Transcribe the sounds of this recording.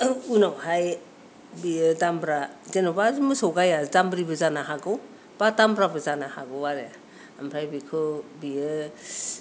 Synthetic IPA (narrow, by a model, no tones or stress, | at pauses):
unawhaj | bijɯdambɾazenɔbamɯsɔwɡajazambɾibɯzanaɦaɡɯw | b̥atambɾabɯzanahaɡɯwaɾeja | ampʰɾajbikʰɯbijɯ